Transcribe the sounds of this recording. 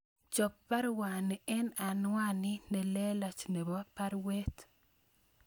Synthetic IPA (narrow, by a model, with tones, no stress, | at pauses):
t͡ʃɔ˨pːa˦ɾwa˨ni˨ɛ˦na˨nwa˦nɪ˦nɛ˨lɛ˦la˨t͡ʃne˨bɔ˦pa˦ɾwe˦t